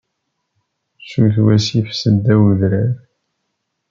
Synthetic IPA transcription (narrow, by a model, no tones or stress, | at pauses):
suθwæsifsəd̪ːæwðɾæɾ